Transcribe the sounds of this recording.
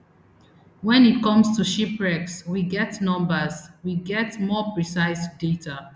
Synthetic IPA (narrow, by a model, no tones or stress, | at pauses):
wɛ̃nit̚kɔ̃mstuʃipɹɛkswiɡɛtnɔ̃mbəswiɡɛtmɔpɹisaɪsdetʰa